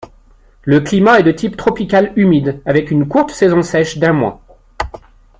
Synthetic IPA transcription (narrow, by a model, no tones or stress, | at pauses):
ləklimaɛd̪ət̪ʰipt̪χɔpikalymid̪avɛkynkuʁt̪sɛzɔ̃sɛʃd̪ɛ̃mwa̰